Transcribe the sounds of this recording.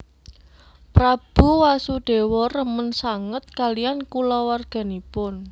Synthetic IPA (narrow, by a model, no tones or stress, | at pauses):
pɾab̥ṳwasuɖ̥e̤wɔrəmənsaŋət̪̚kalijankulɔwarɡ̥a̤nipʊn